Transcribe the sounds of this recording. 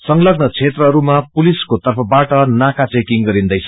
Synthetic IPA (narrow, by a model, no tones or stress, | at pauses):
sʌŋlʌɡnʌt͡sʰet̪rʌɦʌɾumapuliskot̪ʌrpʰʌbaʈʌnakat͡sekiŋɡʌɾind̪ʌjt͡sʰʌ